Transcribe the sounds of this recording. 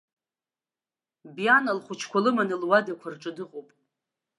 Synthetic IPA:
bjanalχʷʊt͡ʃʰkʷʰalɨmanɨlwadakʷʰarʈ͡ʂʼɨdɨqʼowpʼ

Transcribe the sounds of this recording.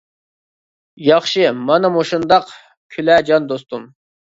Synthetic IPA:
jɑχʃɨmɑnɨmoʃund̪ɑq | kʲʰylɛːd͡ʒɑnd̪ost̪um

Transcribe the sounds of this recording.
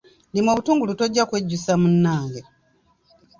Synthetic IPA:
nimwoβutuːŋɡulutoɟːakweɟːusamunːaːŋɡe

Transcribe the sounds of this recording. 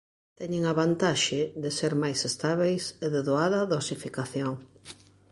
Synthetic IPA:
t̪ɛɲeŋaβant̪aʃɪðeseɾmajsest̪aβejseðeðoaðɐðosifikaθjoŋ

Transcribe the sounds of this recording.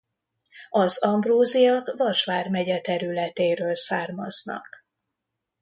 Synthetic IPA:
ɒzɒmbroːzijɒkvɒʃʋaːrmɛɟɛt̪ɛɾylɛt̪eːɾøːlsaːrmɒznɒ̰k

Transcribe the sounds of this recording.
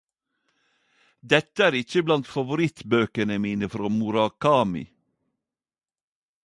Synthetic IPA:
d̪ɛt̪əæːɾɪçəblɑnt̪fɑʋʊɾɪt̪bøːkənəmiːnəfɾoːmʊɾɑkʰɑːmɪ̰

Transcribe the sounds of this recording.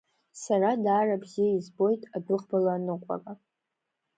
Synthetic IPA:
saradaːrabzijaizbo̞jtʼadʊχbalaːnɨqʷʼa̰kʼa

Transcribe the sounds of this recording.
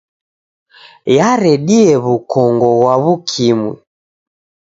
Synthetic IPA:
jaɾɛɗiɛβukɔŋɡɔɣwaβukʰimwḭ

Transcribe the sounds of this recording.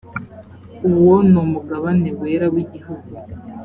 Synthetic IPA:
uβwonomuɡaβane̞we̞ːɾawiɟihuɡu

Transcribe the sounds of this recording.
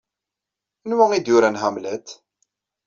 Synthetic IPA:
nwæŋid̪jʊɾænɦæmlæt̪

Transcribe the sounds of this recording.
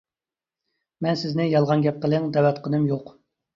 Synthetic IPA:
mɛnsɪznɪjɑlˠʁɑnɡʲɛp̚qəlˠɨŋd̪ɛwɛt̪qʰənɨmjoq

